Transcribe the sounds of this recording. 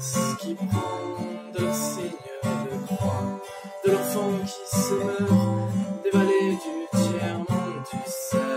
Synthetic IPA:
səkʲipɑ̃d̪əsɛɲød̪əɡʁwa | d̪əlafɔmkʰʲisəmœʁd̪evaled̪yt̪jɛʁmɔ̃d̪ysɛ

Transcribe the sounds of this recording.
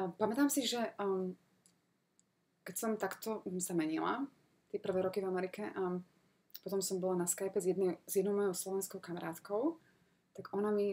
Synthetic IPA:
pamɛt̪aːmsiʒɛ | kɛcsɔmt̪akt̪ɔsamɛɲila̰ | t̪ɪɛpr̩ʋɛːɾɔkivamɛɾikɛʔa | pɔt̪ɔmsɔmbɔlanaskajpɛzjɛd̪nɛzjɛd̪nɔʊmɔjɔʊslɔʋɛnskɔʊkamaɾaːt̪kɔʊ | t̪aɡɔnami

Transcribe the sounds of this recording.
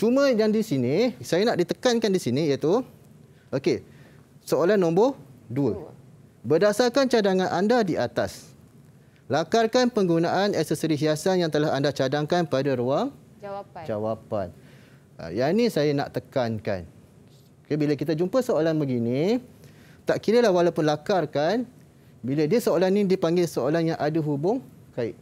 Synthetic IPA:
t͡ʃumə̃jaŋdisinisajanaʔdit̪əkankandisinĩiət̪u | ʔoke | soolanːɔ̃mbohduə | bərdasarkant͡ʃadaŋãnʔandadiʔat̪a̰s | lakarkanpəŋɡunaʔanɛsəsəɾiɦiasanjaŋt̪əlahandat͡ʃadaŋkanpadaɾuaŋ | d͡ʒawapa̰n̰ | janĩsajana̰ʔt̪əkanka̰n | kəbiləkit̪̬ad͡ʒumpəsoalanbəɡini | t̪aʔkiɾəlahwalawpʊnlakarkan | bilədiəsoolanĩdipaŋɡɪlsoolanjaŋʔadəɦubʊŋ | kaɪ̰ʔ

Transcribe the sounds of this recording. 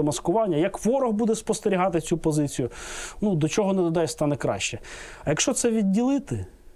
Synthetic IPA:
ɔmɐskʊʋɑnʲːɐjɐkʋɔɾɔɦbud̪ɛspɔst̪eɾʲiɦɑt̪ɪt͡sʲupɔzɪt͡sʲijʊnud̪ɔt͡ʃɔɦɔnɛd̪ɔd̪ɛjst̪ɑnɛkɾɑ̰ʃt͡ʃɛɐjɐkʃt͡ʃɔt̪sɛʋʲidʲːilˠɪt̪ɪ

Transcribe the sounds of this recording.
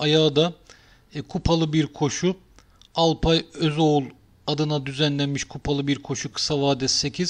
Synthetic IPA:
ajaːd̪a | kʰupʰalˠɯbiɾkʰo̞ʃu | alˠpʰajøzo̞ulˠ | ad̪ɯnad̪yzænlʲænmiʃkʰupʰalˠɯbiɾkʰo̞ʃukʰɯ̥savaːd̪ɛsːe̞cʰiz̥

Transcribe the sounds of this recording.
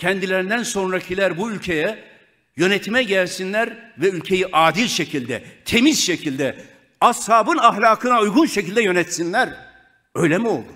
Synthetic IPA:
cʰɛnd̪ilʲeɾind̪ænso̞nɾacʰilʲæɾbuylʲcʰe̞jɛ | jø̞net̪ʰimɛɟælʲsinlʲæɾvɛylʲcʰe̞jiʔaːd̪ilʲʃecʰilʲd̪ɛ̰t̪ʰe̞mizʃecʰilʲd̪ɛ | ashaːbɯnaxlʲaːkʰɯnaujɡunʃecʰilʲd̪ɛjø̞nɛt̪sinlʲæɾ | ø̞jlʲemio̞̰lˠd̪u

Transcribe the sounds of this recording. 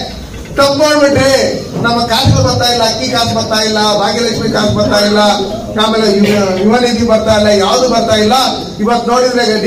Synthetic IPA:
ʈ̪ɐmnoːɽbiʈɾenɐmːɐkaːʃɐbɐɾt̪aːjilːɐkːiːkaːsbɐɾt̪aːjilːɐbaːɡilɐkʂmikaːsbɐɾt̪aːjilːɐjaːmeːleujuɦɐnid͡ʒibɐɾt̪aːjilːɐjaːʋd̪ubɐɾt̪aːjilːɐ | iʋɐt̪ːunoːɽiʋleːɡɐɖ

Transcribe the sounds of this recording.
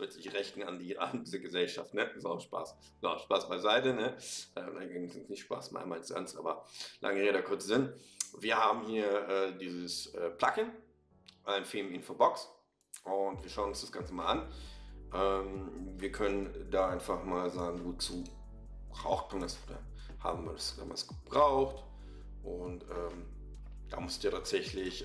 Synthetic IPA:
v̥ɛtz̥ɪçʁɛçtn̩andiːʔa̰ndiːzɐɡəzɛlʃaftnəɪsaʊʃpa̰ːs | z̥ʃpaːsb̥aɪzaɪtənəʔɛːnʔaɡesɪsnɪçtʃpa̰ːsma̰malɪsa̰nsʔa̰ːbɐlʔa̰ŋedaːkʰʊɐt͡sz̥ɪnviːɐhaːbm̩hiːɐʔɛːdiːzəsʔɛːpʰl̥akɪn | ʔaɪnfɪːmɪnfobɔks | ʔʊntv̥iːɐʃaʊnʊnsd̥asɡ̥ant͡səmaːlʔanʔɛmviːɐkʰœnəndaːʔaɪnfaχmaːlzaːɡŋ̩ɡuːt̚t͡suː | ʁa̰ʊxtndasda̰n | ha̰ːbm̩vḭːɐdasd̥a̰ːma̰sɡ̥əb̥ʁaʊχt | ʔʊntʔɛːm | d̥a̰ːmʊsɪ̥d̥iːɐtʰaːtz̥ɛçlɪç

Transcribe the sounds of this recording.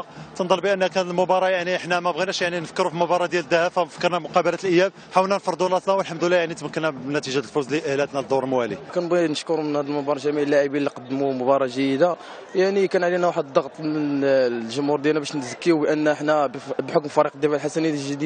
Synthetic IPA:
t̪ənd̪ˤɑlbiʔənːhækænəlmʊbɑɾˤɑjaʕniʔəħnæmæbɣinæʃjaʕninəfə̥kːəɾufilmʊbɑɾˤɑd̪jæləd̪ːæhæbfæfəkːəɾˤnæmʊqɑbəlæt̪əlʔəjːæb̚ | ħawəlnænfɾˤd̪ulɑt̪næwəlħamd̪əlːæjaʕnit̪məkːənːæbnːæt̪iʒæt̪əlfuzliʔəhlæt̪næd̪ˤːoɾəlmwælikænbinəʃkʊɾmənhæd̪əlmʊbɑɾˤɑʒæmiʕlːaʕibilːiqɑd̪ːmumʊbɑɾˤɑʒəjəd̪a | jaʕnikænʕlinæwaħəd̪d̪ˤːɑɣt̪ˤəlʒʊmhuɾˤd̪jælnæbæʃnzəkːiubʔənːəħnæbħʊkmfɑɾiqd̪ːifalħasænit̪ʒəd̪i

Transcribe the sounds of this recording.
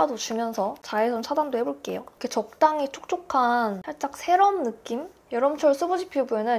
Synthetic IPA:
adot͡ɕumjʌnsʰʌt͡ɕaesʰʌnt͡ɕʰadandoɦe̞boɭk͈e̞̰jokkʰet͡ɕʌk̚t͈aŋit͡ɕʰo̥k̚t͡ɕʰokʰansʰaɭt͡ɕ͈ak̚sʰe̞ɾʌmnɯk͈im | jʌɾʌmt͡ɕʰʌɭs͈ɯbod͡ʑipʰiobue̞nɯn

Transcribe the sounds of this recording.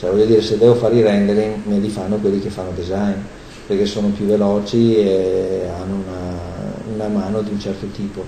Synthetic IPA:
t͡ʃɛvɔʎːod̪iːɾesed̪ɛvofaːɾiɾɛnd̪eɾiŋmelifanːokwelːikefanːod̪ezajn | perkesːoːnopjuvelɔːt͡ʃieanːounaunamaːnod̪iunt͡ʃɛrt̪ot̪iːpo

